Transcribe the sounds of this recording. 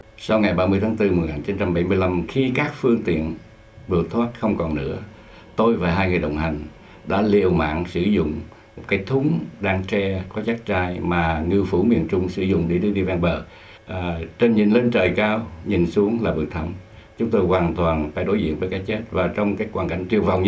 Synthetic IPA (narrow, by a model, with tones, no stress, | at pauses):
sa˧wŋa˨˩jɓaː˧mɨ˧jt̪ʰaː˨˦ŋt̪ɨ˧m˨˩jŋaː˨˩nt͡ɕi˨˦nt͡ɕa˧mɓa˧˩jmɨ˧əjla˧mxi˧kaː˦˥k̚fɨ˧əŋt̪ḭ˧˨ən | vɨ˨˩ək̚t̪ʰwaː˦˥t̚xə˧wŋ͡mkɔ˨˩nnɨ̰˧˥ə | t̪o˧jvaː˨˩ɦaː˧jŋɨ˨˩əjɗə̰˧˨wŋ͡mha˨˩jŋ̟ | ɗa̰ː˧˥li˨˩əwma̰ː˧˨ŋsɨ̰˧˩zʊ̰˧˨ŋ͡m | mo˨˩kaː˨˦jt̪ʰʊ˨˦ŋ͡mɗaː˧ŋt͡ɕɛ˧kɔ˨˦t͡ɕa˦˥k̚t͡ɕaː˧jmaː˨˩ŋɨ˧fu˧˩˦mḭ˧˨ənt͡ɕʊ˧ŋ͡msɨ˧˩˦zʊ̰˧˨ŋ͡mɗi˧˩ɗɨ˧ɗi˧vaː˧ŋɓəː˨˩˨ | t͡ɕe˧nɲi˨˩nle˧nt͡ɕəː˨˩jkaː˧wɲi˨˩nsu˨˦əŋlaː˨˩vɨ̰˨˩ək̚t̪ʰə˧˩wŋ͡m | t͡ɕʊ˨˦ŋ͡mt̪o˧jkwaː˨˩nt̪waː˨˩nfaː˧˩jɗo˧˦jzḭ˧ənvəː˧˦jkaː˨˥jt͡ɕe˦˥t̚vaː˨˩t͡ɕɔ˧wŋ͡mkaː˨˦˥jkwaː˨˩nka˧˩jŋt͡ɕi˨˩əwva˨˩wŋ͡m